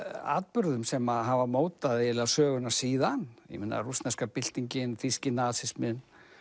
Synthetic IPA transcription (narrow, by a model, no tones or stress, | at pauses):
a̰ːðpʏɾðʏmsɛmaɦavamoːwt̪aðɪɛlɛɣasœːɣʏnasiːðanj̰mɪnːa̰rust̪nɛskapɪl̥t̪iɲcɪnθiscɪnaːðsɪsmɪn